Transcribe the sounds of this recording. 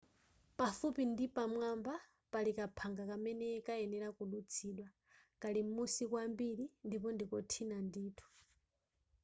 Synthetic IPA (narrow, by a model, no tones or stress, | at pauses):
pafupindipamwamba | palikapʰaŋɡakamɛnɛkaɛnɛɾakuɗut͡sʰiɗwa | kalim̩musikwambiɾindipɔndikɔtʰinandiːtʰu̥